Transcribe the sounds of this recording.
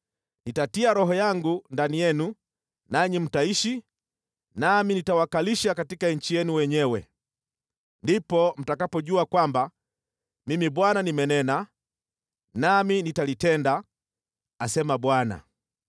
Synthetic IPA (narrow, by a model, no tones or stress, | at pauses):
nitatiaɾɔɦɔjaŋɡundanijɛnu | naɲim̩taiʃi | naminitawakaliʃakatikaɲ̩t͡ʃijɛnuwɛɲɛwɛ | ndipɔm̩takapɔʄuakwamba | mimibwananimɛnɛna | naminitalitɛnda | asɛmabwana̰